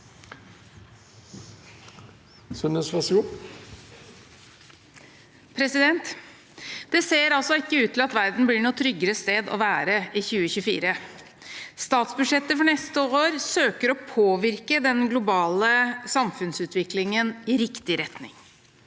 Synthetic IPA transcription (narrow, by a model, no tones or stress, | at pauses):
sœnəsʋɑsu | pʰɾɛsɪd̪ɛnt̪ | d̪̥ɛseːɾɑlsɔɪkːəʉːt̪ʰːɪlɑt̪ʋæɾd̪n̩blɪːɳuːt̪ʰɾʏɡəɾəst̪eːd̪ɔ̰ʋæːɾəɪçʉːəçʉfḭːɾə | st̪ɑːt̪sbʉʂɛt̪ːəfɔɳɛst̪əoːɾsøːkəɾɔpʰoːʋɪɾkəd̪ɛnɡlʊbɑːləsɑmfʉnsʉːt̪ʰʋɪklɪŋənɪɾɪkt̪ɪɾɛt̪nɪ̰ŋ